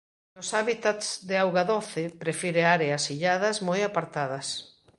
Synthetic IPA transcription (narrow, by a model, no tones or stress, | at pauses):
nʊsaβit̪at̪sðeawɣaðoθɪpɾefiɾeaɾeɐsiʎaðɐsmojapaɾt̪aðɐs